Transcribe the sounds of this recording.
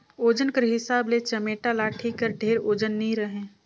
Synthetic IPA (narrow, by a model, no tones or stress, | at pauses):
oːd͡ʒənkəɾɦɪsaːblet͡ʃəmeːʈalaːʈʰikəɾɖʱeːɾoːd͡ʒənːĩɾəɦẽː